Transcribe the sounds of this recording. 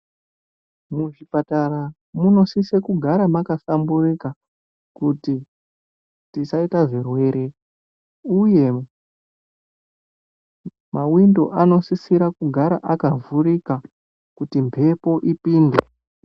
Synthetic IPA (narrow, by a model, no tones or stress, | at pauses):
muʐipataɾa | muno̞sisekuɡʱaɾamakasamburika | kuti | tisaitaʐe̞rwe̞ːɾʔe̞ | uje̞ | mawindo̞ʔano̞sisiɾakuɡʱaɾa̰ʔakavurika | kutimpʰe̞po̞ʔipiːnde